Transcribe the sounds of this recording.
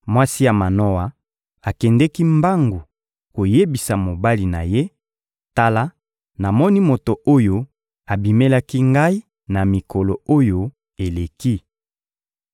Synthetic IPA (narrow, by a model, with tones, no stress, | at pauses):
mwa˦si˦ja˨ma˨no˦wa˨ | a˨kɛ˨ndɛ˦ki˦mba˦ŋɡu˨ | ko˨je˦bi˨sa˨mo˨ba˦li˨na˨je˦ | ta˦la˦ | na˨mɔ˦ni˦mo˨to˨ʔo˦jo˨ | a˨bi˨me˦la˦ki˦ŋɡa˦i˦ | na˨mi˨kɔ˨lo˨o˦jo˨ | e˨le˨ki˦